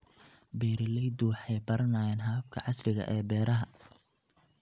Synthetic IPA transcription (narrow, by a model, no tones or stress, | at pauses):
bɛːɾɪlɛjd̪uwɑħɑjbɐɾɐnaːjɛːnɦɐːɐb̚kʰɐ̰ʕɑslɪɣɐ̰ʔɛːbɛːɾɐɦɐ